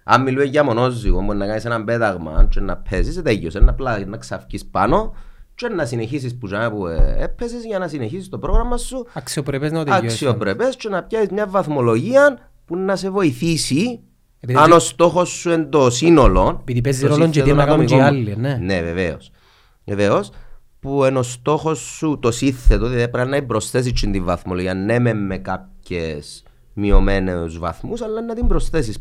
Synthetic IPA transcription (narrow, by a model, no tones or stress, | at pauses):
ɐ̰mːilueɲːɐmono̞zːiombunːɐkɐnisenɐmbet̪ɐɣmɐ̰nt͡ʃenːɐ̰pʰːesiset̪eʝːosenːɐplanːɐksɐfcispɐ̰no̞ | t͡ʃenːɐsineçisisput͡ʃɐnɐpuepʰːesizʝɐnɐsineçisist̪opɾo̞ɣɾɐmːɐsːuɐksiopɾepeznɐot̪ɐksiopɾepest͡ʃonɐpçɐsizmɲɐvːɐθmo̞lo̞ʝiɐn | punːɐse̞vo̞iθisi | iɐno̞st̪o̞xo̞sːue̞nd̪osino̞lo̞nepiðipezɾoloɲt̪oonːɐk̪omialːineneveveo̰s | veveos | puenost̪o̞xo̞sːut̪osiθet̪oðiðiepɾɐnːɐimbɾo̞sθes̬it͡ʃːind̪iɱvɐθmoloʝiɐnːememːekap̚çḛs | miomeneuzvɐ̰θmusɐlːɐnːɐt̪imbɾosθe̞s̬is